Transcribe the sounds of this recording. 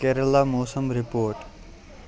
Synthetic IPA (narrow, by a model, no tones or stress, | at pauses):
keːɾəlaːmoːsəmɾɪpoːɾʈ